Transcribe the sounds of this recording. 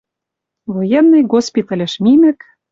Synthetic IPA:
vojenːɨjɡospʲit̪ɑlʲɘ̆ʃmimɘ̆k

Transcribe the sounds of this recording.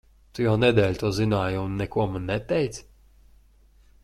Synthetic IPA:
t̪ujaːnɛd̪ʲɛlʲt̪uɔzinaːjunːɛkuɐmanːɛt̪ʲːɛjt̪sʲ

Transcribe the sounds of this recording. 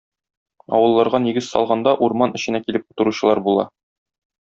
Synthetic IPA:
ɒ̰wɤ̆lˠːɑɾʁɑniɡɘzsɒ̰lˠʁɑnd̪ɑʔuɾmɑnɘ̆ɕɘ̆nækilɘp̚u̥t̪ɤ̆ɾuɕɤ̆lˠɑɾbulˠɑ̰

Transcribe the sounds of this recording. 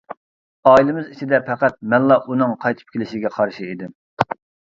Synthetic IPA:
ɑːilɪmɪzit͡ʃʰid̪ɛpʰɛqæt̪̚mɛnlˠɑʔunɨŋqʰɑjt̪ʰɨ̥p̚kʲʰelɪʃɪɡʲɛqʰɑɾʃiid̪ɪm

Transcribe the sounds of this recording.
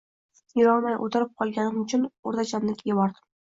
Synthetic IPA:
jɪɾɒlˠmajʔo̰t̪ʰɪɾɪp̚qʰɒlˠɡʲanɪmʊt͡ʃʰʊnoɾt̪ʰat͡ʃʰanlɪkʲʰɡʲɪbɒɾd̪ɪ̥m

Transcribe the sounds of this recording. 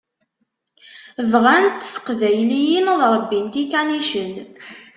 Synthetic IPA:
vʁænt̪ːsə̥qvæjlijinəðɾˤəbːint̪ikæniʃən

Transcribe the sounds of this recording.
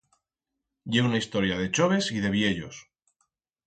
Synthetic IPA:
ɟ͡ʝe̞unaist̪o̞ɾjað̞e̞t͡ʃo̞β̞e̞sið̞e̞βje̞ʎo̞̰s

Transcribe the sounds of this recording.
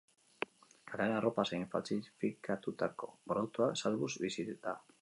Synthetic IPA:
aɾanaropasejɱfa̰t͡sifikat̪ut̪ako̞̰bɾolt̪uasalβuzbisit̪t̪a

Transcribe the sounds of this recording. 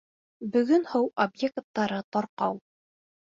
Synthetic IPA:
bɵ̆ɡɵnhɤwobjekt̪ːɑɾɤt̪ɒɾqɑw

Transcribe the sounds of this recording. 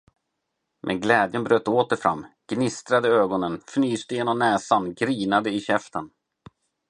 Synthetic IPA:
mʔɛ̰nɡlɛːd̪jənbɾøːt̪ːoːt̪əɾfɾa̰mːɡ̥nɪst̪ɾad̪əøːɡɔnənfnyːst̪əjeːnɔmnɛːsanɡɾiːnad̪əɪɕɛft̪ən

